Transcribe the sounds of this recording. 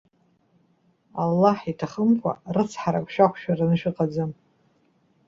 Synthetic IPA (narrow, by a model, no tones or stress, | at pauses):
alːaħitʰaχəmkʷʰa̰rɨt͡sʰħaɾakʷʰʼʃᶣakʷʰʃᶣaranɨʃᶣɪqʼad͡zɨm